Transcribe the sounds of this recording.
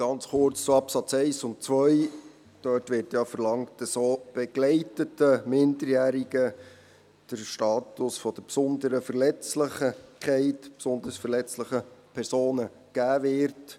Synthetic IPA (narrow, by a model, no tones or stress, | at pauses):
ɡ̥ɑnt͡sχʊɾt͡st͡suɑpsɑt͡sɛɪsʊnt̚t͡sʋœʏ | d̥œːtʋɪːɾtjɑfəɾlɑŋt̚d̥ɑsoːb̥ɛɡ̥lɛɪtətəmɪndəɾjæːɾiɡ̥ə | d̥əɾʃtɑːtʊsfɔd̥̪əɾpsʊnd̪əɾəfəɾlɛt͡sləχəkʰɛɪtpsʊndəɾsfəɾlɛt͡sləχəpʰɛɾsoːnə | ɡ̥æːvɪːɾt